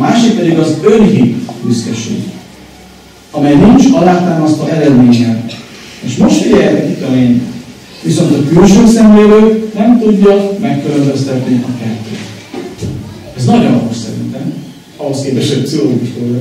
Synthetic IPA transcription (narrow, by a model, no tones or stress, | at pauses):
ɒmaːʃikʋɛdiɡɒzøɾɦibyskɛʃḛːɡ | ɒmɛjnint͡ʃɒlaːt̪aːmɒst̪ɒɛɾɛd̪meːɲːɛl | eːʃmo̞ʃt̪fiɟɛjɛt̪ɛkit̪ɒleːɲɛ̰ | ʋiso̞nt̪ɒkylʃøːsɛnleːɾøːknɛmt̪uɟːɒmɛkːylømbøst̪ɛt̪niʔɒkɛt̪ːø̰ːt̪ | ɛznɒɟonɒt̪oʃsɛɾḭnt̪ɛm | ɒɦo̞skeːpɛʃɛb̚psiɦo̞loːɡuʃt̪od